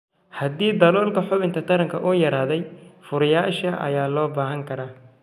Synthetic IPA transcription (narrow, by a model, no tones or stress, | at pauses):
hɐd̪iːd̪ɐlɔːlkʰɐħʊβɪnt̪ʰɐt̪ʰɐɾɐŋkʰɐʔuːjɐɾaːðɛjfʊɾɪjaːʃɐʔɐ̰jaːlɔːbaːɦɐŋkʰɐɾaː